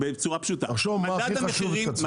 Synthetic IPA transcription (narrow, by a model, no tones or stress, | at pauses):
bet͡suʁapʃut̪aaʁʃovmaiχaʃuvea